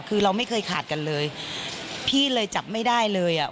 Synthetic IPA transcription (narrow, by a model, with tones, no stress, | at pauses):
kʰɯː˧ɾa˧wma˥˩jkʰɤː˧jkʰaː˨˩t̪̚ka˧nlɤː˧j | pʰiː˥˩lɤː˧jt͡ɕa˨˩p̚ma˥˩jdaː˥˩jlɤː˧jʔa˨˩